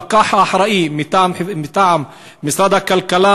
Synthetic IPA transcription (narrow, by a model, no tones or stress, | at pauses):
qɑːħʔaħɾˤɑːʔimɪt̪aʕħmɪt̪aʕam | mɪsɾˤɑːd̪akːalkalaː